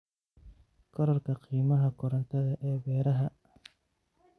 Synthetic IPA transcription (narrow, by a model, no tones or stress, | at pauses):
kʰɔɾɔrkʰɐqʰiːmɐɦɐkʰʊɾɐnt̪ʰɐðɐʔɛːbɛːɾɐɦɐ